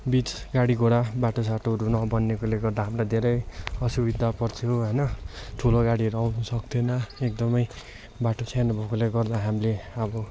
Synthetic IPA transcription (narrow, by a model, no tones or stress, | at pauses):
bit͡s | ɡaɽiɡoɽabaʈosaʈʰoʌɾunʌbʌnːekoleɡʌrd̪aɦamlad̪ʱeɾʌjʌsubid̪ʱapʌrt͡sʰoɦʌjnʌʈʰuloɡaɽiʌɾuawnusʌk̚t̪ʰenʌekd̪ʌmʌj | baʈot͡sʰajnʌbʱʌkoleɡʌrd̪aɦamileʌbʌ